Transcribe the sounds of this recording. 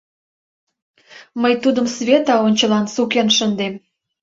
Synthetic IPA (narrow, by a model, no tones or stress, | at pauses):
məjt̪ud̪əmsβʲet̪ɑonʲt͡ɕəlɑnsukenʃənd̪em